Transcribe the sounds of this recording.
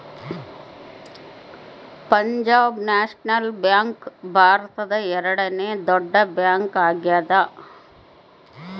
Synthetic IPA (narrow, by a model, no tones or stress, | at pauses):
pɐɲd͡ʒaːbnaːʂnɐlbjaːŋkbʱaːɾɐt̪ɐd̪ɐɛɾɐɽɐneːd̪ɔɖːɐbjaːŋkaːɡjaːd̪ɐ